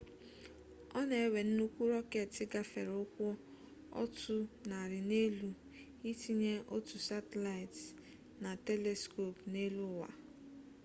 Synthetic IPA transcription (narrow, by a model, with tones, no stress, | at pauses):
ɔ˦ne˨e˦we˨n̩˦nu˦kʷu˦ɾɔ˦ke˨tɪ˦ɡa˦fe˨ɾʊ˦kʷʊ˦ | ɔ̰˦tʰʊ˦na˨ɾɪ˨ne˦lu˦ | i˦ti˦ɲe˦ʔo˦tu˨sa˦te˨la˨ɪ˨ts | na˨te˦le˨sko˦˨pne˦lu˦˨wa̰˨